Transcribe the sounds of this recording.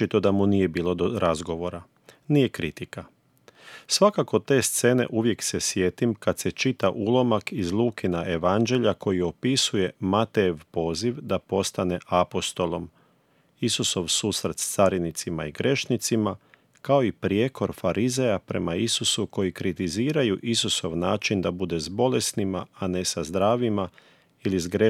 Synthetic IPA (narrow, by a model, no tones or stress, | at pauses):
it̪o̞d̪amunije̞biːlˠo̞d̪oɾazɡo̞ʋo̞ɾa | nije̞kɾit̪ika | sʋakakot̪e̞ːst̪se̞ne̞̰ʔuʋje̞kse̞sje̞t̪imkad̪se̞t͡ʃit̪aʔulˠo̞makizlˠuːkinaʔe̞ʋand͡ʒe̞ʎako̞jio̞pisuje̞mat̪eʋpo̞ːziʋd̪apo̞st̪ane̞ʔapo̞st̪o̞lˠom | isuso̞ʋsuːsɾet̪st̪saɾinit̪sima̰iɡɾe̞ʃnit̪sima | kao̞ipɾjekʰo̞ɾfaɾʔize̞japɾe̞̰maisusuko̞jikɾit̪iziːɾajuʔisuso̞ʋnaːt͡ʃind̪abud̪e̞zbo̞le̞snimaːne̞sazd̪ɾaːʋima | ilizɡɾe